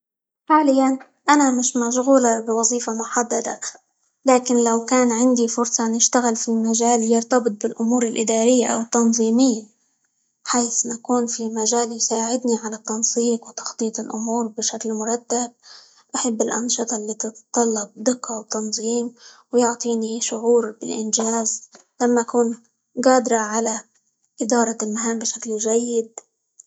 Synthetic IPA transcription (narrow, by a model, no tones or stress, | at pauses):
ħaːlɪjːan | ʔanamɪʃmaʃɣuːlabɪwɑzˤiːfamʊħad̪ːad̪a̰ | laːkɪnlawkaːnʕɪnd̪ifʊɾsˤɑnɪʃt̪aɣɪlfimaʒaːljɪɾt̪ɑbɨt̪̚ˤbɪlʔʊmuːɾɪlʔɪd̪aːɾɪjːaʔa̰wɪt̪ːɑnzˤiːmɪjːa | ħaːθnakuːnfimaʒaːljsaːʕɪd̪niʕalat̪ːɑnsˤiːqwt̪ɑ̥xt̪ˤiːt̪ˤɪlʔʊmuːɾbɪʃaklmʊɾˤɑt̪ːab̚ | ʔaħabːɪlʔɑnʃɨt̪ˤɑlːiːt̪ɪt̪t̪ˤːɑlːɑb̚d̪ɪqːɑwt̪ːɑnzˤiːmwjʊʕt̪ˤiːniʃʊʕuːɾbɪlʔɪnʒaːz | lamːaʔakuːn | ɡɑːd̪ɾˤɑʕala | ʔɪd̪ɑːɾˤɑlmaɦaːmbɪʃaklʒajːɪd̪̚